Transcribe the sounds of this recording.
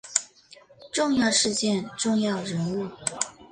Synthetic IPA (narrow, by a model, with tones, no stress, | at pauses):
ʈ͡ʂʊ˥˧ŋjɑ˥˧ʊʂɻ̩˥˧t͡ɕjɛ˥˧nʈ͡ʂʊ˥˧ŋjɑ˥˩ʊɻə˧˥nu˥˩